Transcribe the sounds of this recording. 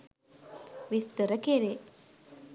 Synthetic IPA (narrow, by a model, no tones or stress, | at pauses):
ʋist̪əɾəkeɾe